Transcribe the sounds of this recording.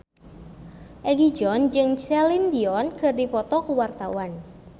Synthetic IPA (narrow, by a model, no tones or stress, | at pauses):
ʔɛɡid͡ʒɔnd͡ʒɨŋt͡ʃɛlind̪iɔnkɨrdipɔt̪ɔkuwart̪awan